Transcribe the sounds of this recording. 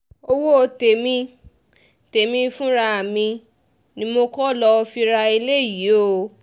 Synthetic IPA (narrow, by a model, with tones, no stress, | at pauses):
o˧wo˦o˧te˨mĩ˧˦ | te˨mĩ˧fũ˦ɾa˧a˨mĩ˧ | nĩ˧˦mo˧kɔ˦˨lɔ˧fi˧ɾa˧i˧le˦˨ji˨˦o˦˨